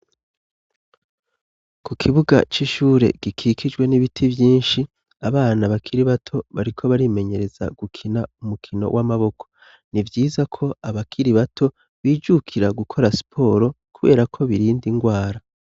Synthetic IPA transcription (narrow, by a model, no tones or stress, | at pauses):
kukʰiβuɡa̰t͡ʃiʃuːɾe̞̰ɡ̥ikʰikʰid͡ʒɡwe̞niβitʰivjiːnʃi | aβaːnaβakʰiɾiβatʰo̞βaɾikʰo̞βaɾime̞ɲe̞ɾe̞za̰ɡ̥ukʰinaumukʰino̞̰wʔamaβo̞kʰo̞̥ | nivjiːzakʰo̞aβakʰiɾiβatʰo̞ | βiːd͡ʒukʰiɾaɡukʰo̞ɾasi̥pʰo̞ːɾo̞ | kuβe̞̰ːɾakʰo̞βiɾiːndiŋɡwaːɾa